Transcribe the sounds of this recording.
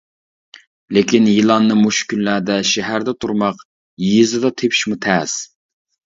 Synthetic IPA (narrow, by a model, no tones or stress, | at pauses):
lekʲʰinjilˠɑnːɨmuʃkʲynlæɾd̪ɛʃɛɦæɾd̪ɛt̪ʰuɾmɑq | jzɨd̪ɑt̪ʰepʰi̥ʃmut̪ʰɛs